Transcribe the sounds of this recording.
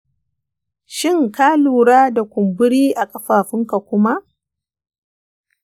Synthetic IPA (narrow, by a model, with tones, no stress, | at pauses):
ʃɪ˦˨ŋkaː˦luː˨ɾaː˦da˨kʷʊ˨mbʊ˦ɽiː˦ʔa˨kʼɐ˦ɸaː˨ɸɪ˦ŋka˨kʷʊ˦ma˦ʔ